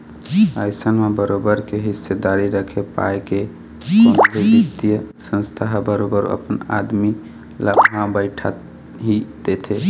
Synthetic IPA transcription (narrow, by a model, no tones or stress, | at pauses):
ajsənmebəɾobəɾkeɦisːed̪aɾiɾəkʰepa̰jke | konbʱibit̪ijəsə̃nst̪ʰaɦbəɾobəɾ̰ə̰pəna̰d̪mi | ləbʱɦãbəɪʈʰa | ɦid̪et̪ʰe